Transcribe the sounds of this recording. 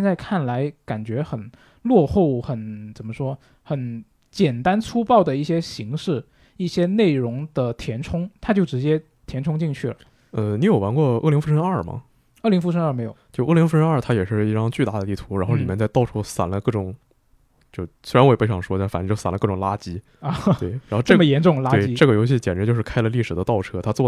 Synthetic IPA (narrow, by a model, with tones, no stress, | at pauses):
ɛ˥˧nt͡sa˥˧ɪkʰa˥˩nla˧˥ɪka˨˩nt͡ɕɥɛ˧˥xə˨˩n | lwɔ˥˧xo˥˩ʊxə˨˩nt͡sə˨˩nmə˦ʂwɔ˥ | xə˨˧˥n | t͡ɕjɛ˨˩nt̪a˥nt͡sʰu˥pɑ˥˩ʊd̪ə˩i˥˩ɕjɛ˥ɕi˧˥ŋʂɻ̩˥˩ | i˥˩ɕjɛ˥ne˥˩ɪɻʊ˧˥ŋd̪ə˨t̪ʰjɛ˧˥nʈ͡ʂʰʊ˥ŋt̪ʰa˥t͡ɕjo˥˩ʊʈ͡ʂɻ̩˧˥t͡ɕjɛ˥ | t̪ʰjɛ˧˥nʈ͡ʂʰʊ˥ŋt͡ɕi˥˧ŋt͡ɕʰy˥˩lə̰˩ | ə˧ni˧˥jo˨˩ʊwa˧˥nkwɔ˥˧ɤ̰˥˩li˧˥ŋfu˥ʂʰə˥ŋə˞˥˩mɐ̰˩ | ɤ˥˩li˧˥ŋfu˥˧ʂʰə˥ŋə˞˥˩me˧˥ɪjo˨˩ʊt͡ɕjo˥˧ʊʔɤ˥˩li˧˥ŋfu˥˩ʂə˥nɐ˞˥˩t̪ʰa˥jɛ˨˩ʂɻ̩˥˧i˥˩ʈ͡ʂɑ˥ŋt͡ɕy˥˧t̪a˥˩d̪ə˩i˥˩t̪ʰu˧˥ɻa˧˥nxo˥˧li˨˩mjɛ˥˧t͡sa˥˧ɪt̪ɑ˥˩ʊʈ͡ʂʰu˥sa̰˨˩nlə˦kɤ˥˩ʈ͡ʂʊ˨˩˦ŋ | t͡ɕjo˥˧ʊse˥ɪa˧nwpe˥ɪʂɑ˥˩ŋʂwɔ˥˩fa˨˩n˥t͡ɕjo˥˩ʊsa˨˩nlə˦kɤ˥˩ʈ͡ʂʊ˨˩ŋla˥t͡ɕi˥˧ | t̪we˧˩ɻa˧˥xʈ͡ʂɤ˥˩mə˩jɛ˧˥nʈ͡ʂʊ˥˩ŋla˥wi˥ʈ͡ʂɤ˥˩ɡə˩jo˧˥ɕi˥˩t͡ɕjɛ˨˩ʈ͡ʂy˧˥jo˥˧ʊʂɻ̩˥kʰa˥ɪlə˧˦li˥˩ʂɻ̩˨˩d̪ə˦t̪ɑ˥˩ʊʈ͡ʂʰɤ˥t̪ʰa˥t͡swɔ˥˩